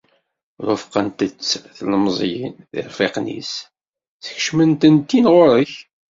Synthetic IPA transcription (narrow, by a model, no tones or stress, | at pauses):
ɾʊfqənt̪ət͡sːθləmzˤjinðɪ̰ɾˤfeqnḭs | θəç̥ʃmənt̪ənt̪ːinʁoɾəç